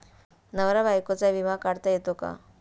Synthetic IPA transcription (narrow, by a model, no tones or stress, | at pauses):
nəʋɾabajkot͡saʋimakaɽt̪ajet̪oka̰